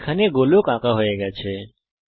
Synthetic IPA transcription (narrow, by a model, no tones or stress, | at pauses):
kʰaneɡoljõkãkaɦoːjeɡəjat͡ʃʰe